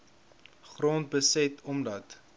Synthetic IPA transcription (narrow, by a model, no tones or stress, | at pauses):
χrɔːntbəsɛtʰɔmdɐt